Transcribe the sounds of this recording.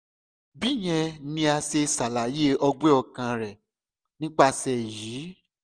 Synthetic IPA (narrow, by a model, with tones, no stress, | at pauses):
bi˦˨j̃ɛ̃˧nĩ˧a˧se˧sa˨la˨je˦ɔ˧ɡ͡be˦ɔ˦˧˨kã˧ɾɛ˨ | nĩ˦k͡pa˦˧sɛ˨jiː˨˦